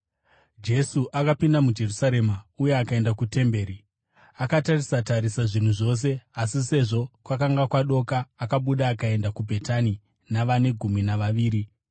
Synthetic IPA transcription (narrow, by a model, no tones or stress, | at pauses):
d͡ʒe̞suʔakapindamud͡ʒe̞rusaɾe̞maujeakae̞ndakute̞mbe̞ːɾi | akatarisataɾisaʐin̤uʐo̞s̬e̞asise̞ʐo̞kwakaŋɡakwaɗo̞kaːkaɓuɗaːkae̞ndakubʱe̞tani | naʋane̞ɡʱuminaʋaʋiːɾi